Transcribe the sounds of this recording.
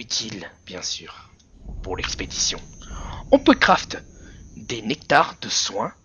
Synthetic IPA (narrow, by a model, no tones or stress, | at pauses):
yt̪ʰilb̥jɛ̃syːʁ | puʁlɛksped̪isjɔ̰̃ɔ̃pøkχaft̪d̪enɛk̚t̪aʁd̪əswɛ̃